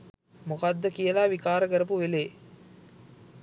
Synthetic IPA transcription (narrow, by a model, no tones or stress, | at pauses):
mokad̪ːəkijəlaːʋikaːɾəkəɾəp̬uʋeleː